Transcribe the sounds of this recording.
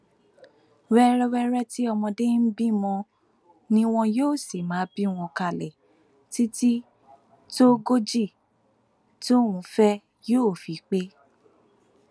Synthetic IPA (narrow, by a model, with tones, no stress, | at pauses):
wɛ˦ɾɛ˦wɛ˦ɾɛ˦ti˦ɔ˧mɔ̃˧de˦n̩˦bi˦mɔ̃˧ | nĩ˦w̃ɔ̃˧joː˦˨si˨mã˨˦bi˦w̃ɔ̃˧ka˧˨lɛ˨ | ti˦ti˦ | to˦ɡo˦d͡ʒi˦˨ | to˦˨wũ˨˦fɛ˦ | joː˦˨fi˨˦k͡pe˦